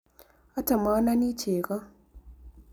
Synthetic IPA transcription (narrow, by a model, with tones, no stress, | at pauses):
ɔ˦tɔ˨mɔ˨˦na˦ni˦t͡ʃe˨kɔ˦